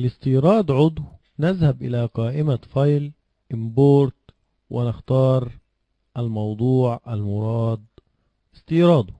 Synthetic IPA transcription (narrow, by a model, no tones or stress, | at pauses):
ʔalɪst̪iːɾˤɑːd̪ʕʊd̪ˤw | nazhabʔɪlaqɑːʔɪmafɑjl | ʔɪmboːɾt̪ | wʔɪnɪxt̪ɑːɾˤ | ʔalmɑwd̪ˤuːʕʔalmʊɾˤɑːd̪̚ | ɪst̪iːɾˤɑːd̪ˤʊ